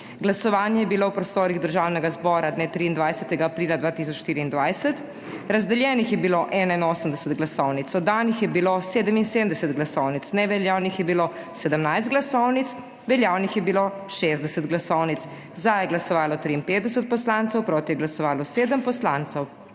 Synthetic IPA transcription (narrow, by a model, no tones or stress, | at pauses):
ɡlasɔʋaːnjɛjɛbilowpɾɔst̪oːɾiɣd̪əɾʒaːwnɛɡazbɔːɾad̪neːt̪ɾiːnd̪ʋajsɛt̪ɛɡaːpɾiːlad̪ʋaːt̪is̬ɔt͡ʃʃt̪iːɾiːnd̪ʋajsət̪ | ɾazd̪ɛljɛːnixjɛbiloʔɛnainoːsəmd̪ɛsət̪ɡlasɔwnit̪sɔd̪ːanixjɛbiloseːd̪əminsemd̪ɛsɛt̪ɡlasɔwnit̪snɛʋɛljaːwnixjɛbilo | sɛd̪əmnajst̪̚ɡlasɔwnit̪s | ʋɛljawnixjɛbilo | ʃezd̪ɛsət̪ɡlasɔwnit̪s | zajɛɡlasɔʋaːlɔt̪ɾiːnpeːt̪̚d̪ɛs̬ət̪̚pɔslantsəwpɾoːt̪ijɛɡlasɔʋaːlɔseːd̪əmpɔslant̪sɛw